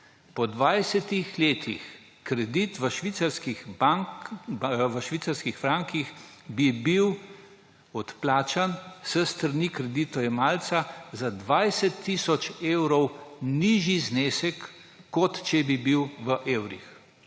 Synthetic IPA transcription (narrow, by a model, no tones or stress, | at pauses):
pɔd̪ʋajsɛt̪ixleːt̪ʰḭx | kɾɛd̪it̪ʋəʃʋit̪saɾskixba | ʋəʃʋiːt̪saɾskixfɾaŋkixbibiw | ɔt̪plaːt͡ʃansəst̪əɾnikɾɛd̪it̪ɔjɛmaːlt̪sazad̪ʋajsɛt̪ʰːisɔt͡ʃeːwɾɔwniːʒizneːsɛkː | ɔt̪t͡ʃɛbibiwʋəʔeːwɾḭx